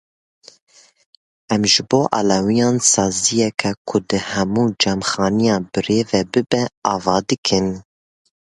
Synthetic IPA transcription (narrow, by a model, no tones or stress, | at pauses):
ʔɛmʒɨboːʔɑ̰ːlɑwijɑːnsɑːzijɛkʰɛkʰʊd̪ɨhɛmuːd͡ʒɛmxɑːnijɑːbɨɾeːvɛbɨbɛɑːvɑːd̪ɨkʰɨn